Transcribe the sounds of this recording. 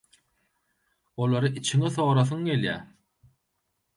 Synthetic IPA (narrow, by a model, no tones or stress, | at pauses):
olˠɑɾɯʔit͡ʃʰiŋiθo̞ːɾɑθ̬ɯŋɡe̞ljæː